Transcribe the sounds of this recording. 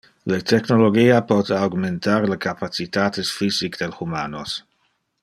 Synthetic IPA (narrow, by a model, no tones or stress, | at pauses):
lət̪ɛknoloɡiːapɔt̪awɡmentaɾləkapat͡sit̪aːt̪esfisikd̥̪elxumaːnos